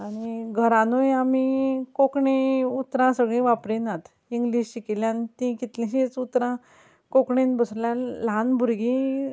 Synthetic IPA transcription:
aɽ̃iɡʱəɾãnojamikokɳeut̪ɾãsəɡɭẽʋapɾẽnat̪ | iŋɡliːɕɕikiljãnt̪ĩkit̪lẽɕit͡sut̪ɾã | kokɳenbəsɾljalanbʱuɾɡĩ

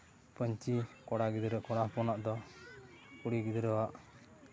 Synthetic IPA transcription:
pəɲt͡ʃikɔɽaɡid̪ɾəʔkɔɽapɔnaʔd̪ɔ | kuɽiɡid̪ɾəwaʔ

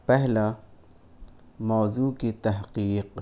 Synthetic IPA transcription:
pɛhla | mazukit̪ahqiːq

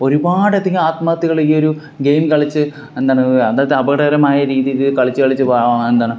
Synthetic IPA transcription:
o̞ɾubaːɽet̪ːɐŋʲɡilaːt̪maːt̪ːiɣɐɭikːo̞ɾu | ɡe̞jmkɐɭit͡ɕːɨ | end̪aːɳɨɐðaːɐðɨɐbɐɣɽɐɐɾɐmaːjɐɾiːðijiðɨkɐɭit͡ɕːɨkɐɭit͡ɕːɨbaːɐme̞nd̪aːɳɨ

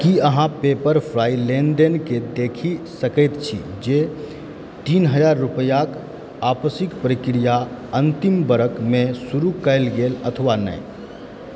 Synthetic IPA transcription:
kiəɦãpepəɾpʰɾailenɖenked̪ekʰisəkəjt̪t͡ʃʰḭ | d͡ʒe | t̪inɦəd͡ʒaɾːupəjak | apəsikpɾəkɾijaənt̪imbəɾəkmesuɾukəɪlɡelət̪ʰəʋanə̰j

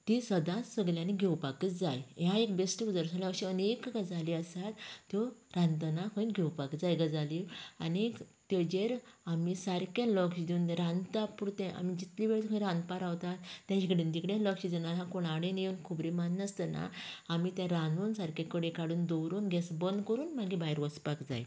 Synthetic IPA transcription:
t̪isəd̪ãsəɡljaniɡʱewpakət͡sd͡zajɦjãekbesʈəud͡zəɾsalakɕiənekɡad͡zaliəsat̪t̪ːjɔɾãnt̪ənakʰəinɡʱewpakət͡sd͡zajɡəd͡zalia̰ni | t̪jɔd͡ʑeɾamisaɾkelɔkɕid̪iund̪ẽɾãnt̪apuɾt̪ɛ̃ʔa̰mid͡ʑit̪liʋeɭt̪ʰkʰɾãnd̪paɾaʋt̪at̪ːjãt͡ɕikəɽind̪ikɽjẽlɔkɕid̪inalɦãkoɽaɽẽnjenkʰubɾimanːəst̪əna̰amit̪jãɾanunsaɾkẽkəɽẽkaɽuːnd̪ɔwɾuːnɡɛsbənd̪kəɾuːnmaɡibaiɾʋəspakd͡za̰j

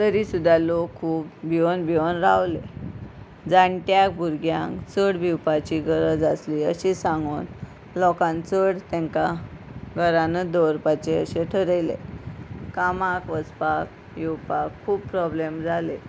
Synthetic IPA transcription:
t̪əɾisud̪ʱːalokʰːuːpbʱionbʱionɾawle | d͡zaɳʈjak̚bʱuɾɡjã̰ŋkt͡səɽbʱiwpat͡ɕiɡʱəɾəd͡zasliə̰ɕisãŋɡoːn | lɔkãnt͡səɽt̪ɛ̃ŋkaɡʱəɾanəd̪ɔɾpat͡ɕeə̰ɕeʈʰəɾəjlḛ | kamakʋəspak̚ | jewpakʰːuːb̚pɾɔblemd͡zʱale

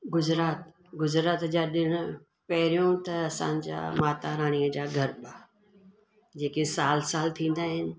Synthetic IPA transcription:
ɡʊzɾaːt̪ | ɡʊzɾaːt̪d͡ʑaːɗɪɽ̃ʊ̆ | pɐɦɪɾijõt̪ɐɐsã̰ːn̆d͡ʑa̰ːmaːt̪aɾaːɽ̃iəd͡ʑaːɡʱɐɾɓaː | d͡ʑeːkesaːlsaːlt̪ʰĩːn̆d̪aːɦɪnɪ̆

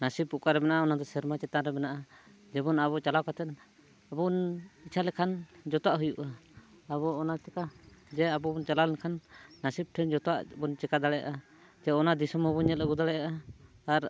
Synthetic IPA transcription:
nasip̚ːuʔkaɾɛbɛnaʔaɔnad̪ɔsɛɾmat͡ʃɛt̪aɾɛbɛnaʔa | d͡ʒɛbɔnabɔt͡ʃalawkat̪ɛt̪ | abɔnit͡ʃʰalɛkʰand͡ʒɔt̪ɔwaʔɦujuʔaː | bɔɔnat͡ʃɛkad͡ʒɛabɔbɔnt͡ʃalalɛnkʰanːasip̚ʈʰɛnd͡ʒɔt̪ɔwaʔbɔnt͡ʃɛkad̪aɽɛja̰ʔa | d͡ʒɛɔnad̪isɔmhɔbɔɲɛlɛɡud̪aɭɛjaʔat̪aɾ

